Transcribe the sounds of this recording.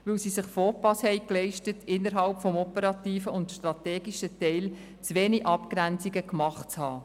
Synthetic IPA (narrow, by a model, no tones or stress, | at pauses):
ʋɪwsisɪχfoːpɑshɛɪklɛɪʃtətɪnːəɾɦɑlpfɔmɔpəɾɑtiːfəʊntʃtɾɑtɛːɡiʃətɛɪl | t͡sʋeːniʔɑpkɾænt͡siɡəkmɑχt͡shɑː